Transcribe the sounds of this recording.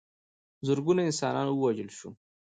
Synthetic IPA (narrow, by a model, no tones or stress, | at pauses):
zʊɾɡunaɪnsɑnɑ̰nwəwad͡ʒəlʃu